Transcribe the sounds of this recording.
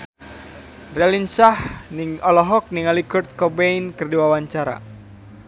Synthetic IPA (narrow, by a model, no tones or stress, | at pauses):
rɛlinsahniŋɔlɔɦɔk̚niŋalikɔrt̪̚kɔbeinkɨrdiwawaɲt͡ʃaɾa̰